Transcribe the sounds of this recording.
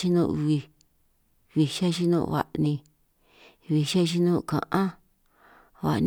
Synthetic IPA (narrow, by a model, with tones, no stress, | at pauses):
ʃi˦nũː˦˧˨βi˧ | βi˧ʃa˦˧ʃ̬i˦nṵ̃˦˧βa̰˨ʔnĩ˧ | βi˧ʃa˦˧ʃ̬i˧nũː˦˧kã̰˨ʔã˦ | βa̰˨n